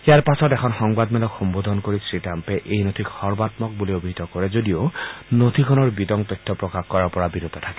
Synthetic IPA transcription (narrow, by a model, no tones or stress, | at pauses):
xijaɹpasɔtɛkʰɔnxɔŋbadmɛlɔkxɔmbod̪ʱɔnkoɹisɹitampɛʔejnotʰikxɔɹbat̪mɔk̚buliobʱiɦit̪ɔkɔɹɛzodionotʰikʰɔnɔɹbitɔŋtɔjtʰːɔpɹɔkaxkɔɹaɹpɔɹabiɹut̪ːɔtʰakɛ̥